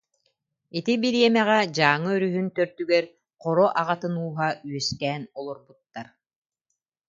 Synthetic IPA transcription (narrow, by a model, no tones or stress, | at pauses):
it̪ibiɾiɛmɛʁɛd͡ʑaːŋɯœɾyɦynt̪œɾt̪yɡɛɾ | qɔɾɔʔaʁat̪ɯnuːɦayœst̪ɛːnɔlˠɔɾbut̪ːaɾ